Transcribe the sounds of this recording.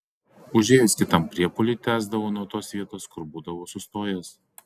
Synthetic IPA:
ʊʒʲeːjʊskʲɪt̪ɐmpʲɾʲiɛpʊlʲʊt̪ʲæːzd̪ɐʋoːnuɔt̪oːsʋʲiɛt̪oːskʊɾbuːd̪ɐʋoːsʊst̪oːjɛs

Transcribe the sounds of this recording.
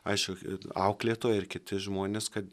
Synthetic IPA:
ɐɪʃkʊɐʊklʲeːt̪oːjɪrkʲɪt̪ʲɪʒmoːnʲeːskɐt̪

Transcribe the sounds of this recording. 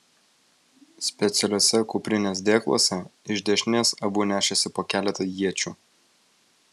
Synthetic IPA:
sʲpʲɛt̪sʲɛlʲoːsʲɛkʊpʲɾʲɪnʲeːs̬d̪ʲeːklˠo̰sʲɛɪʒʲd̪ʲɛʒʲnʲeːsɐbuːnʲæːʃʲɛsʲɪpoːkʲæːlʲɛt̪ɐjiɛt͡ʃʲuː

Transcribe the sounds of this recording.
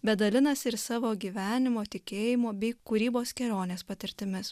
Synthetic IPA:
bʲɛd̪ɐlʲɪnɐsɪɾsɑːʋoːɡʲiːʋʲæːnʲɪmoːt̪ʲɪkʲeːjɪmoːbʲɛɪkʊɾʲiːboːskʲɛlʲoːnʲeːspɐt̪ʲɪɾʲt̪ʲɪmʲɪs

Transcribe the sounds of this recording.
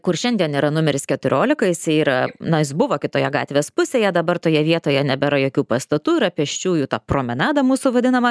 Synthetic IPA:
kʊrʃʲɛnd̪ʲiɛniːɾɐnʊmʲɛɾʲɪskʲɛt̪ʊɾʲoːlʲɪkɐɪsiːɾɐnɐjɪsbʊʋoːkʲɪt̪oːjɛɡɑ̰ːt̪ʲʋʲeːspʊsʲeːjɛd̪ɐbɐrt̪oːjɛʋʲiɛt̪oːjɛnʲɛbʲɛɾɐjoːkʲuːpɐst̪ɐt̪uːɪɾɐpʲɛʃʲt͡ʃʲuːjuːt̪ɑːpɾoːmʲɪnɑːd̪ɐmuːsʊʋɐd̪ʲɪnɐmɐ

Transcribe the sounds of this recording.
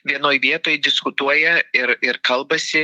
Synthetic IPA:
ʋʲiɛnoːjʋʲiɛt̪oːjd̪ʲɪskʊt̪uɔjɛɪɾɪɾkɐlˠbɐsʲɪ

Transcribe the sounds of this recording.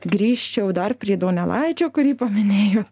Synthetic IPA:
ɡɾʲiːʃʲt͡ʃʲɛʊd̪ɐrpʲɾʲiɛd̪oːnʲɛlˠɑɪt͡ʃʲoːkʊɾʲiːpɐmʲɪnʲeːjoː

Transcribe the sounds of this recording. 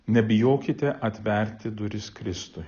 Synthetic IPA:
nʲɛbʲɪjoːkʲɪt̪ʲɛʔɐt̪ʲʋʲɛɾʲt̪ʲɪd̪ʊɾʲɪskɾʲɪst̪ʊɪ

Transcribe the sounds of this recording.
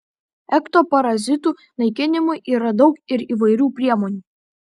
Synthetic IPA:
ɛkt̪oːpɐɾɐzʲɪt̪uː | nɐɪkʲɪnʲɪmʊɪʔiːɾɐd̪ɒʊkɪɾiːʋɐɪɾʲuːpʲɾʲiɛmoːnʲuː

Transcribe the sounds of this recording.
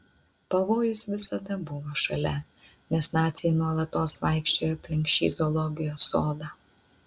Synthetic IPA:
pɐʋoːjʊsʋʲɪsɐd̪ɐbʊʋoːʃɐlʲɛ | nʲɛsnɑːt̪sʲjɛnuɔlˠɐt̪ːoːsʋɑˑɪkʃʲt͡ʃʲoːjɐpʲlʲɪŋʲkʃʲt͡ʃʲḭːzɔlˠɔɡʲɪjoːsoːd̪ɑː

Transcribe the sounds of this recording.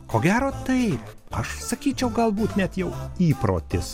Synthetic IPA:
koːɡʲæːɾoːt̪ɐɪp | ɐʃsɐkʲiːt͡ʃʲɛʊɡɐlˠbuːt̪nʲɛt̪jɛʊiːpɾo̰ːt̪ʲɪs

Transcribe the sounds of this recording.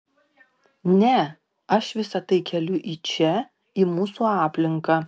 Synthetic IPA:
nʲɛ | ɐʃʋʲɪsɐt̪ɐɪkʲɛlʲʊʔiːt͡ʃʲɛ | iːmuːsuːɑːpʲlʲɪŋkɑː

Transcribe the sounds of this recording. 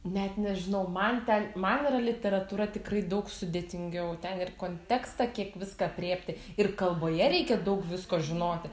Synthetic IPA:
nʲɛt̪nʲɛʒʲɪnɐʊmɐnt̪ʲɛnmɐnɪɾɐlʲɪt̪ʲɛɾɐt̪uːɾɐt̪ʲɪkrɐɪd̪ɐʊksʊd̪ʲeːt̪ʲɪŋʲɡʲɛʊt̪ʲɛnɪrkoːnʲt̪ʲæːkst̪ɐkʲiɛkʋʲɪskɑpʲrʲeːpʲt̪ʲɪ | ɪrkɐlˠboːjɛɾʲɛɪkʲɛd̪ɐʊkʋʲɪskoːʒʲɪnoːt̪ʲɪ

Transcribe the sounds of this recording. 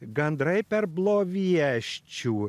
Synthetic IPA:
ɡɐnd̪ɾɐɪpʲɛɾblˠoːʋʲiɛʃʲt͡ʃʲuː

